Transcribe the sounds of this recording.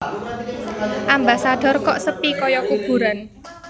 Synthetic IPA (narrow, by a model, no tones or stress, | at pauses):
ʔambasaɖ̥ɔ̤rkɔʔsəpikɔjɔkub̥ṳɾan